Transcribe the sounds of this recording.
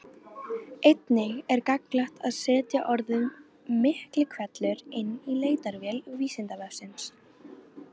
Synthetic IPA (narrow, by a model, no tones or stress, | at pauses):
ejt̪nɪɣɛɾkaklaht̪ʰaðsɛːt̪jaʔɔɾðʏm | mːɪhklɪkʰvɛt̪lʏɾɪnːileːjt̪aɾvjɛlʏɣviːsɪnt̪avɛfsɪns